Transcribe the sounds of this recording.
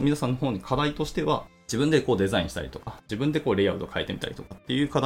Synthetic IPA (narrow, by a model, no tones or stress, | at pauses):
mʲinasãnːoɦo̞ːɲ̟ikʰad̪ait̪o̞ɕi̥t̪e̞βa̰d͡ʑibɯ̃nd̪e̞ko̞ːd̪e̞zaĩɕi̥t̪a̰ɾʲḭt̪o̞̥kad͡ʑibɯ̟̃nd̪e̞ko̞ːɾʲeaɯ̟d̪okʰae̞t̪e̞mi̥t̪a̰ɾʲi̥̰t̪o̞kat̪ːe̞jɯ̟ːkad̪